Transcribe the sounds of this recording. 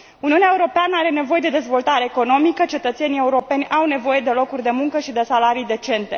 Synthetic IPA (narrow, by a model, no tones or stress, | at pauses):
uniuneae̞uɾo̞peanəaɾe̞ne̞voje̞d̪e̞d̪e̞zvo̞lt̪aɾe̞ːko̞no̞mikət͡ʃe̞t̪ət̪se̞nije̞uɾo̞pe̞nʲawne̞vo̞je̞d̪e̞lo̞kurʲd̪e̞muŋkəʃid̪e̞salaɾijd̪e̞t͡ʃe̞nt̪e̞